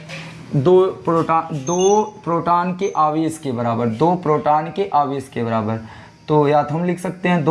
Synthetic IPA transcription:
d̪oːpɾoːʈad̪oːpɾoːʈaːnkeʔaːʋeːskebɐɾaːbəɾd̪oːpɾoːʈaːnkeʔaːʋeːskebɐɾaːbəɾ | t̪oːjaːd̪ɦɐmlɪkʰsɐk̚t̪eɦɛ̃d̪o

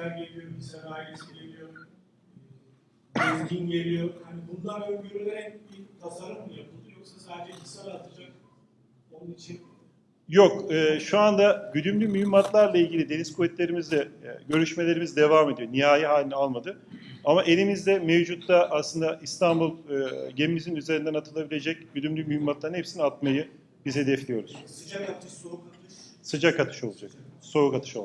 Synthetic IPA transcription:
æɾɟelʲijo̞ɾmiselʲajeselʲemijoɾ | izdinɟelʲijoɾhanibund̪anøɟyɾynɛnbikʰazaɾɯmd̪ɯjabuujoksasaːd̪ed͡ʒɛkʰisaɾat̪ʰɯd͡ʒak̚ | onunit͡ʃʰin | jo̞kɯːʃuand̪aɟyd̪ymlʲymyhymːat̪lˠaɾlˠailʲɟilʲid̪e̞niskʰovɛt̪lʲe̞ɾimizd̪ɛɟø̞ɾyʃme̞lʲe̞ɾimizd̪e̞vame̞d̪io̞ɾniɦaːjɯɦaːlʲinalˠmad̪ɯ | amaʔe̞lʲimizd̪ɛmevd͡ʒut̪laʔaslˠɯnd̪aʔist̪ʰanbulˠɯɟemimizinyze̞ɾind̪ænat̪ʰɯlˠabilʲe̞d͡ʒɛc̚ɟyd̪ymlʲymyhymːat̪lˠaɾɯnhepsiniat̪̚majɯ | bizhed̪ɛflʲijo̞ɾuz̥ | sɯd͡ʒakat̪ʰɯ̥ʃolˠad͡ʒakso̞ukat̪ʰɯ̥ʃolˠ

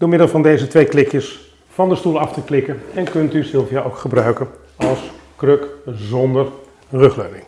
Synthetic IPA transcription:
d̥ʊːɹmɪdəlˠvɑndejzətʋejklɪkjəs | fɑndəstulˠɑftəklɪkənɛnkɵntysɪlˠvjəʔowkχəbrœɥkən | ɑlˠskrøkzɔndər | rɵχløɥnɪ̰ŋ

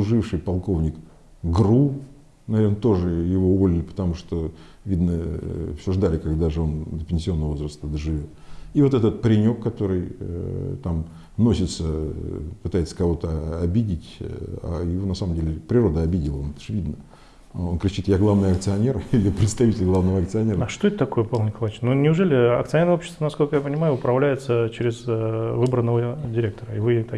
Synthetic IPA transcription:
ʊʐɨfʂɨjpɐlˠko̞vnʲɪk | ɡru | nɐvʲernət̪o̞ʐɨjɪvo̞ʊvolʲɪlʲɪpə̥t̪ɐmuʂt̪o | vʲid̪nəfsʲʊʐd̪alʲɪkɐɡd̪aʐɨo̞nd̪əpʲɪnsʲɪo̞nːəvəvozɾəst̪əd̪əʐɨvʲo̞t̪ivo̞t̪ɛt̪ət̪̚pɾʲɪnʲo̞kːɐt̪o̞ɾɨj | t̪am | no̞sʲɪt̪səpɨt̪ajɪt̪sːə̥kɐvo̞t̪əɐbʲidʲɪtʲa̰jɪvonɐsaməmdʲelʲɪpɾʲɪro̞d̪əɐbʲidʲɪlˠont̪ə̥ʂvʲid̪nə | o̞nkɾʲɪt͡ɕit̪jaɡlˠavnɨjɐkt̪sɨɐnʲerilʲɪpɾʲɪt̪st̪ɐvʲitʲɪlʲɡlˠavnəvəɐkt̪sɨɐnʲeɾəɐʂt̪oet̪t̪ɐko̞jəpalˠnʲɪkɐlˠat͡ɕnːunʲɪʊʐɛlʲɪɐ̰k̚t̪ɨɐnʲeɾopɕːɪ̥st̪vənɐsko̞lʲkəjapənʲɪmajʊʊpɾɐvlʲæjɪt̪sət͡ɕɪɾʲɪzvɨbɾənːəvədʲɪɾʲek̚t̪əɾəɪvɨt̪a

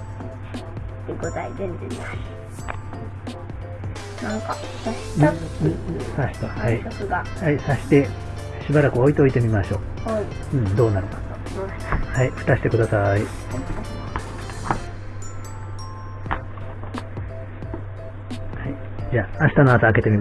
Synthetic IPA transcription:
t̪eɡot̪aizẽnd͡zẽɲ | nãŋka | saɕ | saɕi̥t̪ohaiosɨɡahaisaɕi̥t̪e̞ | ɕibaɾakɯ̟oit̪eo̞it̪e̞mʲimaɕo̞ː | a | ɯ̟̃ɴd̪o̞ːnaɾɯ̟kḁa | haiɸɯ̟t̪aɕi̥t̪e̞kɯ̟d̪asai | t̪a | hai | d͡ʑaːaɕi̥t̪anoasaːke̞t̪e̞mʲi

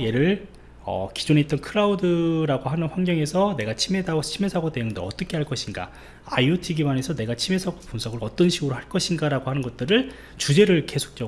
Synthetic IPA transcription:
je̞ɾɯɭ | ʌ̰ki̥d͡ʑone̞it͈ʌnkʰɯɾaudɯɾaɡoɦanɯnɸwaŋɡjʌŋe̞sʰʌne̞ɡat͡ɕʰimedat͡ɕʰime̞sʰaɡotejɯŋdeʌt͈ʌkʰe̞ɦaɭk͈ʌɕʰinɡa̰ | a̰iotʰiɡimanesʰʌne̞ɡat͡ɕʰime̞sʰaɡopunsʰʌɡɯɾʌt͈ʌnɕʰiɡɯɾohaɭk͈ʌɕʰinɡaɾaɡohanɯnɡʌt̚t͈ɯɾɯɭ | t͡ɕud͡ʑe̞ɾɯɭke̞sʰo̥k̚t͡ɕ͈ʌ

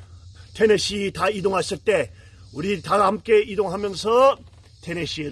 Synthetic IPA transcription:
tʰeneɕʰitaidoŋɦaɕʰɯɭt͈e̞ | uɾit̪ahamk͈e̞idoŋɦamjʌnsʰʌ | tʰeneɕʰie

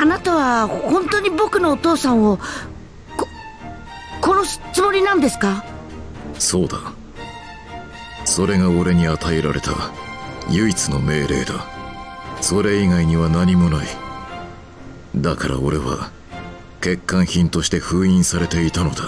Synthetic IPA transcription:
anat̪aβahõ̞nt̪oɲ̟ibo̞kɯ̟no̞ːt̪o̞ːsãɰ̃o | ko | ko̞noɕt͡sɨmo̞ɾʲinãnd̪e̞sɨ̥ka | so̞ːd̪a | so̞ɾe̞ɡao̞ɾe̞ɲ̟iat̪aeɾa̰ɾe̞̰t̪a̰ | jɯ̟it͡sɨno̞me̞ːɾe̞̰ːd̪a̰ | so̞ɾe̞iɡaiɲ̟iβanaɲ̟imo̞nai | d̪akaɾʔa̰o̞ɾe̞βa̰ | ke̞kːãɰ̃çĩnt̪o̞ɕi̥t̪e̞ɸɯ̟ːĩɰ̃saɾe̞t̪e̞it̪ano̞d̪a

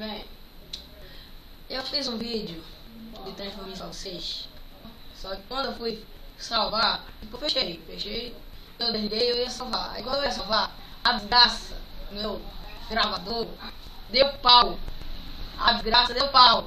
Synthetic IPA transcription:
bẽj | ewfizũvid͡ʒjʊ | d͡ʒɪt̪elefomisavoseʃ | sɔkɪ̥kwɐ̃nd̪ʊewfujsawvaɪpofeʃejfeʃej | ewd̪ẽɡ̪ejewiɐsawva̰ikwɐ̃d̪efijɐsawva | ad͡ʒɪzɡɾasɐmewɡɾavad̪oɾ | d̪ewpaw | ad͡ʒɪzɡɾasɐd̪ewpaw

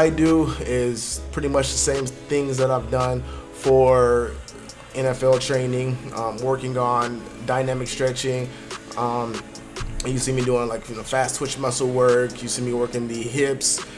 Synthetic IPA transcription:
aɪduɪz̥pʰɹ̥ɪɾimʌt͡ʃðəsẽɪ̃mθɪ̃ŋzðəɾaɪvdʌ̃nfə˞ | ɛ̃nɛfɛlˠtʰɹ̥ẽɪ̃nɪ̃ŋʌ̃mwɜ˞kɪ̃ŋə̃n | daɪnæmɨkstɹ̥ɛt͡ʃɪ̃ŋ | ʌ̃m | jɨsĩmiduɪ̃ŋlaɪkjɨnoʊfæstswɪt͡ʃmʌsl̩ˠwɜ˞kjɨsĩmiwɜ˞kɪ̃ŋðiɦɪps

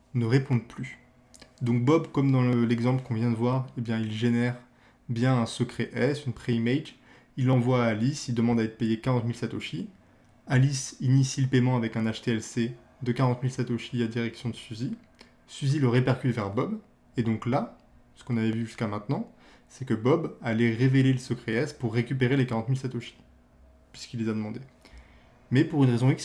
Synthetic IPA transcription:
nəʁepɔ̃d̪ply | d̪ɔ̃k̚bɔbkɔmd̪ɑ̃lɛɡzɑ̃pləkɔ̃vjɛ̃d̪əvwaʁebjɛ̃ilʒenɛʁ | bjɛ̃ɛ̃səkχeʔɛsynpχeimejd͡ʒ | ilːɑ̃vwaːlisild̪əmɑ̃d̪aɛt̪χəpejekaʁɑ̃t̪milsat̪oʃi | alisinisiləpemɑ̃avɛkɛ̃naʃt̪eɛlse | d̪əkaʁɑ̃t̪milsat̪oʃiad̪iʁɛksjɔ̃d̪əsyzi | syziləʁepɛʁkʲyt̪vɛʁbɔb | ed̪ɔ̃kla | sə̥kɔ̃navɛvyʒyskamɛ̃t̪nɑ̃ | sɛkəbɔbalɛʁeveleləsəkχeɛspuʁːekʲyp̬eʁelekaʁɑ̃t̪milsat̪oʃi̥ | pɥi̥skilːezad̪əmɑ̃d̪e | mɛpuʁynʁezɔ̃iks

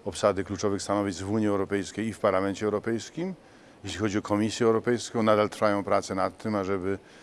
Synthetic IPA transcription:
ɔpsad̪ɘklut͡ʂɔvɘxst̪anɔvʲizvuɲiɛwɾɔpɛjskʲejifpaɾlamɛnt͡ɕɛwɾɔpɛjskʲim | jɛɕlʲixɔd͡ʑiɔkɔmʲisʲjɛɛwɾɔpɛjskɔ̃w̃nad̪alt̪ɾfajɔ̃w̃pɾat̪sɛnat̪ːɘmaʐɛbɘ

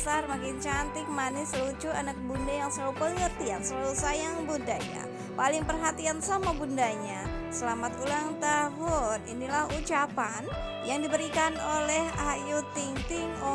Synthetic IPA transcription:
sarmakɪnt͡ʃant̪ɪk̚manisəlut͡ʃuanak̚bundajaŋsəlalupalɪŋərt̪iansəlalusajaŋbundaɲa̰ | palɪŋpərɦat̪iansamabundaɲa | səlamat̪ulaŋt̪aɦʊnḭnilahut͡ʃapan | jaŋdibəɾikanolɛhajut̪iŋt̪ɪŋo

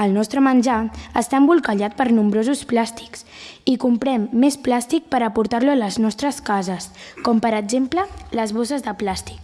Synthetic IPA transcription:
əlˠnɔst̪ɾəmənʲd͡ʒaəst̪ambulˠkəʎat̪̚pəɾnumbɾozusplast̪i̥ksikumpɾɛmːesplast̪ik̚pəɾəpuɾt̪aɾluələznɔst̪ɾəskazəskɔmpəɾəɡzemplələzβosəzðəplast̪i̥k

